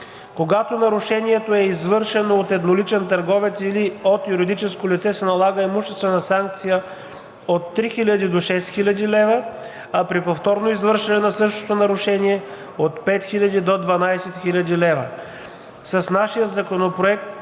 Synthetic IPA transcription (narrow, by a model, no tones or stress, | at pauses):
koɡat̪onɐɾuʃɛniɛt̪oɛizvɤɾʃɛnoot̪ɛd̪nolit͡ʃɛnt̪ɐɾɡɔvɛt̪siliot̪juɾid̪it͡ʃɛskolʲit̪sɛsɛnɐlˠaɡəɛmuʃt̪ɛst̪vɛnɐsaŋk̚t̪sijə | ot̪ːɾixilʲəd̪id̪oʃɛsxilʲəd̪ilɛvə | ɐpɾipoft̪ɔɾnoizvɤɾʃɛnɛnɐsɤʃt̪o̥t̪onɐɾʊʃɛniɛ | ot̪pɛt̪xilʲɐd̪id̪od̪vɐnajsɛt̪xilʲɐd̪ilɛvə | sɐsnaʃijət̪zɐkonopɾoɛkt̪